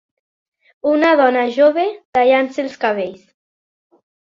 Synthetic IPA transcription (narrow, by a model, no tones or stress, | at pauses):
unaðɔnaʒoβet̪aʎanselˠskaβ̞eʎs